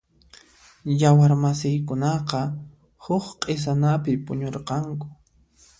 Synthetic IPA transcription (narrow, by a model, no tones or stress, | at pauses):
jawaɾmasɪjkʊnɑqɑ | hʊχqʼɪs̬anapɪpʊɲoɾqɑŋkʊ̥